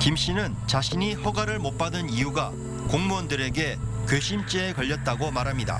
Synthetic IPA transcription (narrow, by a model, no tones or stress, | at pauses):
kimɕ͈inɯnt͡ɕaɕʰiɲiɸʌɡaɾɯɭmok̚p͈adɯnijuɡa | koŋmuʌndɯɾe̞ɡe̞kɯɕʰimt͡ɕ͈eːkʌʎːʌt̚t͈aɡomaɾɦamɲida̰